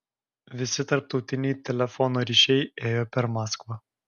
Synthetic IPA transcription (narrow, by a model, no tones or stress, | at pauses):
vʲisit̪ɐrt̪ut̪inʲit̪elefonuɾiʃejejopʲɛrmaskva